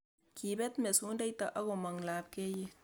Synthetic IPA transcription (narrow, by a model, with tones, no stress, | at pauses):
ki˨be˦t̪me˨su˦nda˦jt̪a˨ʔa˦ɣo˨ma˨ŋlaː˨b̚ke˦je˨